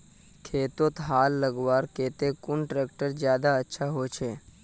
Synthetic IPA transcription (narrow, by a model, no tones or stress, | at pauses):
kʰeːt̪ot̪ɦaːlːəɡwaːɾkeːt̪ekʊnʈɾeːkʈəɾd͡ʒjaːd̪aətːʃʰaɦoːt͡ʃʰeː